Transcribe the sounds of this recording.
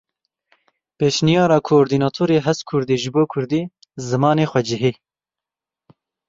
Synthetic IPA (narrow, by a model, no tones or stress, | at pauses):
peːʃnijɑːɾɑːkʰoːɾd̪iːnɑːt̪ʰoːɾeːɦɛst̪kʰʊɾd̪eːʒɨboːkʰʊɾd̪iː | zɨmɑːneːxʷɛd͡ʒɪɦeː